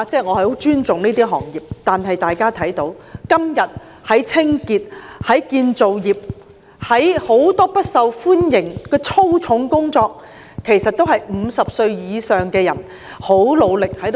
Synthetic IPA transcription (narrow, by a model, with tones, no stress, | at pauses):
t͡sɛː˥˩ŋɔː˨˧hɐ˨˩ho˨˥wt͡ʃyː˥nt͡sʊ˨ŋniː˥t̪iː˥ɦɔ̰ː˨˩ŋjiː˨p̚t̪aː˨nɦɐ˨jt̪aː˨jkaː˥t̪ʰɐ˨˥jt̪o˨˥wkɐ˥mjɐ˨t̚ | hɐ˨˥jt͡sʰɪ˥ŋkiː˧t̚hɐ˨˥jkiː˧nt͡so˨wjiː˨p̚ | hɐ˨˥jho˨˥wt̪ɔː˥pɐ˥t̚sɐ˨wfuː˥njɪ˨˩ŋkɛː˧t͡sʰo˥wt͡sʰʊ˨˥ŋkʊ˥ŋt͡sɔː˧k̚ | kʰe˨˩jsɐ˨t̚t̪o˥whɐ˨jm̩˨˧sɐ˨p̚sɵ˧ɥjiː˨˧sœː˨ŋkɛː˧jɐ̰˨˩n | ho˨˥wlo˨˧wlɪ˨k̚hɐ˨˥jt̪